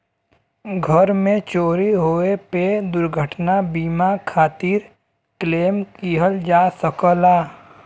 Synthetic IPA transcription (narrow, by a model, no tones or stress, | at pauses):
ɡʱəɾmẽt͡ʃoːɾiɦoːeped̪ʊɾɡʱəʈnabiːmakʰaːt̪iːɾ | kleːmkiːɦəld͡ʒaːsəkəlaː